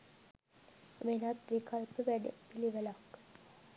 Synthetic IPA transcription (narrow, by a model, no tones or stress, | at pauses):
ʋenat̪ʋikalpəʋæɖə̰piliʋəlakː